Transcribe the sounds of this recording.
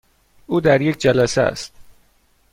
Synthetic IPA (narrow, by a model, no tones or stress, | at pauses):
uːd̪æɾjekʰʲd͡ʒælæsḛæ̰st̪